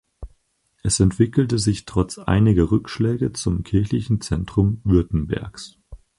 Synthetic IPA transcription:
ʔɛsɛntv̥ɪkl̩təzɪçtʁ̥ɔt͡sʔa̰ɪnɪɡɐʁʏkʃlɛːɡət͡sʊmkʰɪɐçlɪçn̩t͡sɛntʁ̥ʊmvʏɐtn̩bɛ̰ɐks

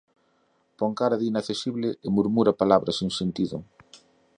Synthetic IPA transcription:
pɔŋkaɾɐðinaθesiβlɪʔɪmuɾmuɾɐpalaβɾɐsiŋsent̪iðʊ̰

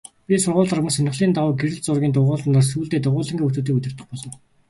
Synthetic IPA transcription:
pʲisʊrʁʊːɮarmɵ̆ŋsœnɪ̆χɮiːnt̪awʊːɡeɾɘ̆ɮt͡sʊrɣʲiːnt̪ʊʁʊːɮə̆nt̪aːsuːɮt̪eːt̪ʊʁʊːɮə̆ŋɡʲeːut̪uːt̪iːkut̪ʲɪ̆r̥t̪ə̆χpɔɮɞ̆n

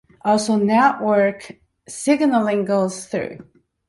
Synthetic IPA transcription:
ʔɔlˠsoʊnɛʔwɜ˞k | sɪɡnəlˠĩŋɡoʊz̥θɹʉ̰

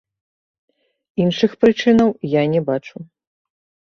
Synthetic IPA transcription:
inʂɨxpɾɨt͡ʂɨnɐwjanʲɛbat͡ʂu

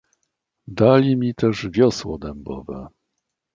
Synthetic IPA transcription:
d̪alʲimʲit̪ɛʐvʲjɔswɔd̪ɛmbɔ̰vɛ̰

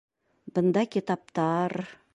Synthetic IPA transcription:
bənd̪ɑkʲʰit̪ɑp̚t̪ɑɾ

